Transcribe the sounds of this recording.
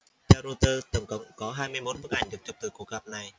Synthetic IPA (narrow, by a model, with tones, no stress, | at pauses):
t͡ɕɛː˧ɾo˧t̪əː˧t̪ə˧˩wŋ͡mkə̰˧˨wŋ͡mkɔ˨˦ɦaː˧jmɨ˧əjmo˦˥t̚fə˦˥k̚ʔa˨˩jŋ̟ɗɨ˨˩ək̚t͡ɕʊ˨˩k͡p̚t̪ɨː˨˩ku˧˩k̚ɣa˨˩p̚na˨˩j